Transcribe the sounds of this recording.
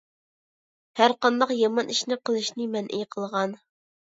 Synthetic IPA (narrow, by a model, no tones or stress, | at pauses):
hæɾqɑnd̪ɑqjɑmɑniʃnɪqʰəlˠɨʃnɪmɛnʔḭjqʰəlˠʁɑn